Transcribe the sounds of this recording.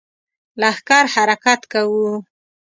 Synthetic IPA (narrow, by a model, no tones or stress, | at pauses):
lahkɑɾhaɾakat̪kawu